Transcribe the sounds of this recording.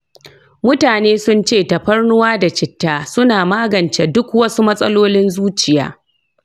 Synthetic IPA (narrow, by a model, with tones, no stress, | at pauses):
mʊ˦taː˨neː˦sʊ˦nt͡ʃeː˦˨tɐ˨ɸɐ˦rnʊ˦waː˦da˨t͡ʃɪ˨tːaː˦˨sʊ˦naː˨maː˦ɡɐ˨nt͡ʃe˨dʊ˦kwɐ˦su˦mɐ˦sʼɐ˦loː˦lɪ˦nzuː˦t͡ʃɪ˨ja̰ː˦